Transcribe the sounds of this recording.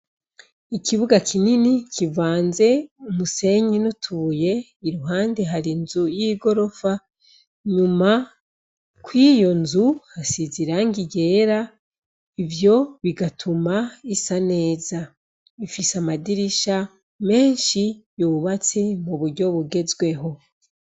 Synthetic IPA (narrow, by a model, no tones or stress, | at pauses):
ikiβuɡakʰininikʰivaːnze̞umuse̞ɲinutʰuje̞ | iɾuɦaːnde̞ɦaɾinzujiɡo̞ɾo̞fa | ɲuma | kwiːjo̞nzuhasiziɾaŋɡiɟe̞ːɾa | ivjo̞βiɡatʰumaisane̞ːza | βifisamadiɾiʃa | me̞ːnʃijoːβat͡se̞muβuɾɟo̞βuɡe̞zɡwe̞ɦo̞